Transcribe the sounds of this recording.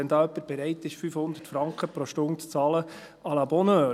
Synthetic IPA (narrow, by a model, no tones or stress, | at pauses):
ɛnd̪ɑːœpːəɾb̥ɛɾɛɪtːɪʃfyfhʊnd̪ə̥tfɾɑŋkχəpɾoʃtʊndt͡sɑːlə | ɑlɑbɔnœː